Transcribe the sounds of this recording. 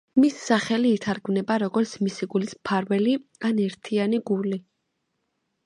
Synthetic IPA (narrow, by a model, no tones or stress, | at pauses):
misːaχɛliːt̪ʰaɾɡmnɛbaɾɔɡɔɾt̪sʰmisiɡulispʰaɾvɛlianɛɾt̪ʰianiɡuli